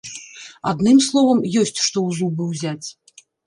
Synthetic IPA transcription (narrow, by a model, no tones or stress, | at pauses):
a̰d̪nɨmslˠɔvɐmjɔsʲt͡sʲʂt̪ɔwzubɨwzʲat͡sʲ